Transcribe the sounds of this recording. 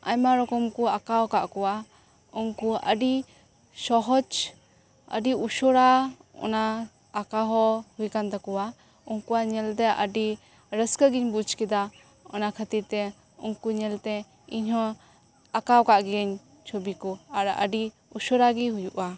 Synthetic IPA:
aɲmaɾɔkɔmkuakawkaʔkɔwa | uŋkuʔə̰ɖi | sɔɦɔd͡ʒ | ə̰ɖiuʃɔɾaɔ̰naː | kaɦɔhujkant̪akɔwa | uŋkuwaɲɛlt̪ɛʔə̰ɖi | ɾəskəɡiɲbud͡ʒkɛd̪a | ɔnakʰət̪iɾt̪ɛ | uŋkuɲɛlt̪ɛ | iɲhɦɔ | akawkaʔɡɛɲ | t͡ʃʰɔbikɔaɾʔə̰ɖi | uʃɔɾaɡiɦujuʔa

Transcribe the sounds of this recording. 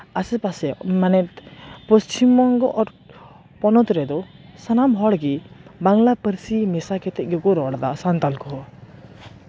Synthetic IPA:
asɛpasɛmanɛt̪pɔst͡ʃimɔŋɡɔʔɔɾ | pɔnɔt̪ɾɛd̪ɔsanamɦɔɽɡibaŋlapəɾsimɛsakɛt̪ɛʔ̚ɡɛkɔɾɔɽd̪asant̪alkɔɦɔ

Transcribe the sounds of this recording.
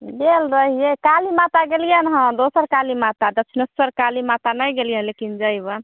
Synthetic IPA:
belɾəɦijekalimat̪aɡelijənɦə̃d̪osəɾkalimat̪ad̪ət͡ʃʰnəsəɾkalimat̪anajɡelijənlekind͡ʒəjbən

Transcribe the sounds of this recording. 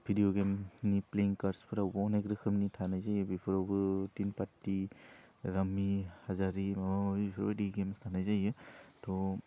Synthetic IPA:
bʱidijoɡemnipleiŋkaɾspʰɯɾawbɔɔnekɾɯkʰɯmnitʰanajzajɯbipʰɔɾawbɯtinpatːi | ɾamihazaɾiabipʰɾ̰badiɡemstʰanajzajɯtɔ

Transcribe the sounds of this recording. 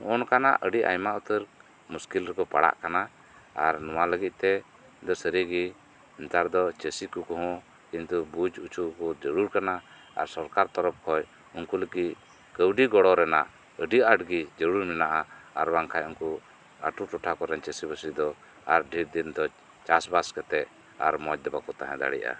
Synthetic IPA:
ɔnkana̰ʔʔəɖiʔa̰jmaʔut̪əɾ | muskilɾɛkɔpa̰ɽa̰ʔkana | aɾnɔwaləɡit̪̚ˀt̪ɛ | d̪ɔsəɾiɡi | nt̪aɾd̪ɔt͡ʃəsikukɔɦɔ̃ | kint̪ubud͡ʒut͡ʃukɔd͡ʒəɽuɾkana | a̰ɾsɔɾkaɾt̪ɔɾɔp̚kʰɔj | unkuləɡit | kəwɖiɡɔɽɔɾɛnaʔ | əɖiaɖɡid͡ʒəɽuɾminaʔaaɾwaŋkʰajunku | a̰ʈuʈɔʈʰakɔɾɛnt͡ʃəsibəsid̪ɔ | aɾɖʱiɾd̪ind̪ɔ | t͡ʃasbaskɛt̪ɛʔ | a̰ɾmɔd͡ʒd̪ɛbakɔt̪aɦɛ̰̃d̪a̰ɽḭja̰

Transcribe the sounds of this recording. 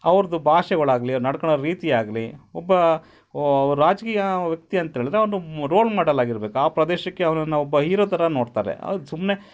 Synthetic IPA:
ɐʋɐɾɐd̪ubʱaːʃɛɡɐɭaːɡɐliɐɾnɐɽkɐɳoɾiːt̪ijaːɡɐliɔbːɐ | ʋɐɾɾaːd͡ʒkiːjɐʋjɐk̚t̪iɐnt̪ɦeːɭid̪ɾeʋɐnd̪uɾo̞ːlmaːɽɐlaːɡiɾɐbeːkuaːpɾɐd̪eːʃɐkːe̞ɐʋɐnɐnːɐɔbːɐɦiːɾoːt̪ɐɾɐnoːɽt̪a̰ːɾḛɐ̰sumne̞

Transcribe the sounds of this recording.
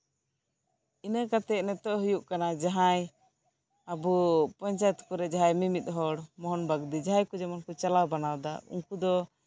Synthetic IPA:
inəkat̪ɛnɛt̪ɔʔɦujuʔkanad͡ʒaɦãj | abupɔɲt͡ʃajt̪kuɾɛd͡ʒaɦãjmimit̪̚ˀɦɔɽmɔɦɔnbaɡd̪id͡ʒaɦãjkud͡ʒɛmankut͡ʃalawbanawd̪aṵŋkud̪ɔ

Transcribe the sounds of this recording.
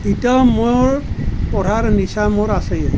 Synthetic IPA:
itɔmoɹpɔɾaɹnisamoɹasɛj

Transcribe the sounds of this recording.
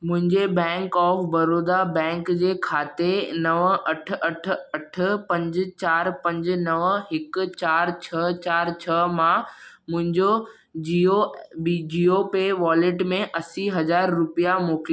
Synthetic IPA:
mʊ̃ɦɪ̃ɲd͡ʑebɛ̃ːŋkɔːfbɐɾoːd̪abɛ̃ːŋkd͡ʑeːkʰaːt̪enɐʋəʔɐʈʰɐʈ̆ʰɐʈ̆ʰpɐ̃ɲd͡ʑt͡ɕaːɾpɐ̃ɲd͡ʑnɐʋəɦɪkt͡ɕaːɾt͡ɕʰɐt͡ɕaːɾt͡ɕʰɐmã | mʊ̃ɦɪ̃ɲd͡ʑo | iod͡ʑiːopeʋaːlɪʈmẽʔɐsiɦɐd͡ʑaːɾːʊpijamoːkɪli

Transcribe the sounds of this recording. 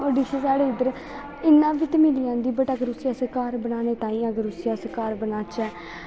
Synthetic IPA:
oːɖiːseːsaːɽeːɪd̪əɾ | ɪnːãːʋɪt̪mɪliːãːnd̪iːbəʈəɡəɾʊsijaːsəkaːɾbənaːneːt̪ãːĩːəɡəɾʊsijaːsəkaːɾbənaːt͡ʃɛː

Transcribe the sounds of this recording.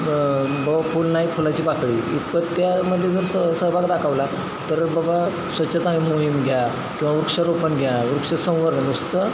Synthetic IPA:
bəbapʰulnaipʰolat͡ɕiːpakɽḭit̪pət̪t̪jaməd̪ʱːjed͡zəɾsəsəbaɡd̪akʰaʋla | t̪əɾbəba | sʋət̪ːɕet̪aɦimoɦimɡʱja | kĩw̃ʋaʋɾukʂəɾopənɡʱjaɾukʂəsə̃w̃ʋəɾnanust̪ə

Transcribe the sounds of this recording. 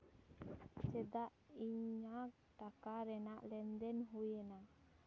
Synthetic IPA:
t͡ʃɛd̪aʔiɲak̚ | ʈakaɾɛnaʔlɛnd̪ɛnɦujɛna

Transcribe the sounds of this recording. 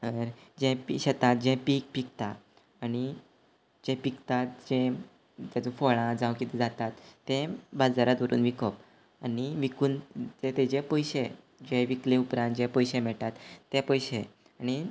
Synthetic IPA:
əɾd͡ʑɛ̃piɕət̪at̪̚d͡ʑɛ̃piːk̚pikt̪aː | ñi | d͡ʑɛ̃pikt̪at̪̚d͡ʑɛ̃ | t̪jad͡zũfoɭãd͡zãwkit̪ɛd͡zat̪at̪ːẽbad͡zaɾat̪ʋəɾṵːnʋikəp | aniʋikuːntẽt̪ɛd͡ʑẽpəjɕe | d͡ʑɛ̃ʋiklẽupɾãnt̪̚d͡ʑɛ̃pəjɕɛ̃mɛɭʈat̪ːẽpəjɕẽ | añi

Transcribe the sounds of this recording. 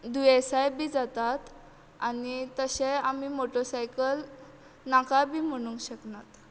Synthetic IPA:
d̪uesajbiːd͡zat̪at̪ | anit̪əɕẽamiːmoʈosajkəl | nakabʱiːm̤əɽ̃ũŋkɕəknat̪

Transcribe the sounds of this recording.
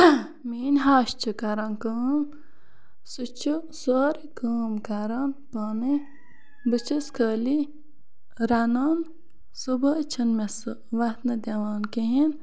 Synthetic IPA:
miːnɦaːʃt͡ʃʰɨkaɾɐːnkəːm | sut͡ʃʰusoːɾikəːmkaɾanpaːnɨ | bɨt͡ʃʰɐskʰəːli | ɾanaːn | subɐt͡ʃʰɐnmes | ʋɐt̪nɐd̪ʲɐʋaːnkeɦin

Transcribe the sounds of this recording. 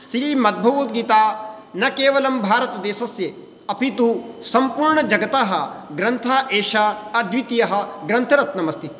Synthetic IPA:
st̪ɾiːmɐd̪̚bʱɐʋut̪̚ɡiːt̪aː | nɐkeːʋɐlɐmbʱaːɾɐt̪ɐd̪eːsɐsje | ɐpʰit̪usɐmpuːɾɳɐd͡ʒɐɡɐt̪aːɦɐ̆ɡɾɐnt̪ʰaːʔeːʃaɐd̪ʋit̪ijɐɦɐ̆ɡɾɐnt̪ʰɐɾɐt̪nɐmɐst̪i

